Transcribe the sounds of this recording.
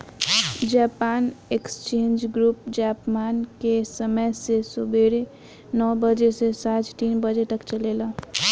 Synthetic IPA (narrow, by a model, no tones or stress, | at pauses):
d͡ʒaːpaːnekst͡ʃẽnd͡ʒɡɾupd͡ʒaːpmaːnkesəməjsesubeɾe | nɔːbəd͡ʒesesat͡ʃt̪iːnbəd͡ʒet̪əkt͡ʃəlela